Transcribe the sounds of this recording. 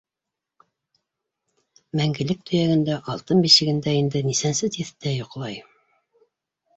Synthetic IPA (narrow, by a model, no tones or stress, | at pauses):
mæŋɡɘ̆lɘk̚t̪ʰɵ̆jæɡɘ̆nd̪æʔɑlˠt̪ɤnbiʃɘ̆ɡɘ̆nd̪æind̪ɘnisænsɘt̪iθt̪æjŏqlˠɑj